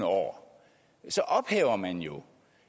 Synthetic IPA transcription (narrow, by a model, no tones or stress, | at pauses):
nəɒ̰ː | sɒ̽ʔɒ̽b̥hɛ̰ːʊɐmænjo̝